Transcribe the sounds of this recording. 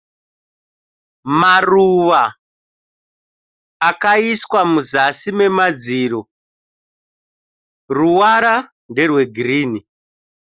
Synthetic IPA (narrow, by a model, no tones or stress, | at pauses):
maruʋa | kaiswamuzasime̞mad͡ziːɾo | ruwaɾa | nde̞rwe̞ɡʱriːni